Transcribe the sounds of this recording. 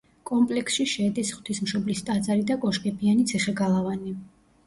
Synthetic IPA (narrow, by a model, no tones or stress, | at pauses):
kʼɔmpʼlɛksʃiʃɛːd̪isχwt̪ʰismʃɔblist̪ʼad̪zaɾid̪akʼɔʃkʼɛbianit̪sʰiχɛɡalˠavani